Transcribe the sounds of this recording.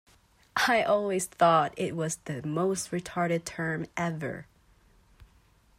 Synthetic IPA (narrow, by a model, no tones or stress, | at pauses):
ʔaɪʔɔlˠwiz̥θɔɾɪt̚wʌzðɨmoʊst̚ɹɨtʰɑɹɾɨd̚tʰɜ̃˞mʔɛvə̰˞